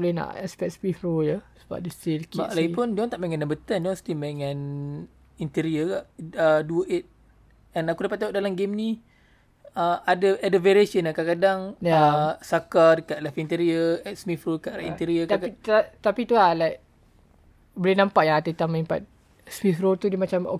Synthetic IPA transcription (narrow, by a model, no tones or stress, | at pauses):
olɛna̰ʔɛspɛk̚spifɾojəsə̥ba̰p̚dist̪ilkba̰ʔlaɡipundɔ̃ŋt̪aʔmaŋanːabət̪andɔ̃ŋst̪imaŋãn | int̪iɾiəɡaʔəduəʔet̪̚ | ɛ̃nakudapat̪̚ːaoʔdalamɡemni | əadəʔadəveɾesənakakadaŋjaasakadəkaʔ̪̚lɛfint̪iɾiəɛsmifɾoəkaʔɾaʔḭnt̪iɾiəait̪apit̪ualajk | bolenãmpaʔjaŋat̪ət̪aməimpa̰t̪̚ | smifɾot̪udimat͡ʃamo̰